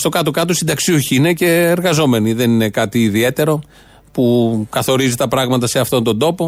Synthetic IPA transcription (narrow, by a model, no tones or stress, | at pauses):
st̪o̞kɐt̪okɐt̪osind̪ɐksioçiine̞ce̞ːɾɣɐzo̞me̞niðe̞nine̞kɐt̪iːðie̞t̪e̞ɾo̞ | pukɐθo̞ɾizit̪ɐpɾɐɣmɐt̪ɐse̞ɐft̪o̞nt̪o̞nd̪o̞po̞